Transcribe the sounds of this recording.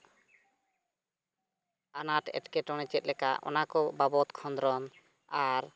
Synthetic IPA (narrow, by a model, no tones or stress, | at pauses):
anaʈɛ̰ʈkɛʈɔɽ̃ɛt͡ʃɛt̪̚lɛka̰ʔɔ̰nakɔbabɔt̪kʰɔnd̪ɾɔn | aɾ